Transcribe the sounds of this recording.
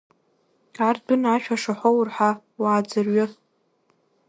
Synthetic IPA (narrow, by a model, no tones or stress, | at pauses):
ardɨnaʃᶣaʂaħʷowrħa | waːd͡zɨrɥʊ